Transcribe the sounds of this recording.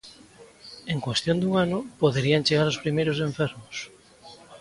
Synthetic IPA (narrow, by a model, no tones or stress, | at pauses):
eŋkwest̪jond̪uŋanʊpoðeɾiaŋt͡ʃeɣaɾospɾimejɾos̬ẽɱfeɾmos